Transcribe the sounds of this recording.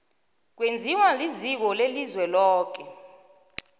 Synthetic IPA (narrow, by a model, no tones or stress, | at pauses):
k̬wend͡zʱiwalizik̬ɔlelizwɛlɔːk̬ɛ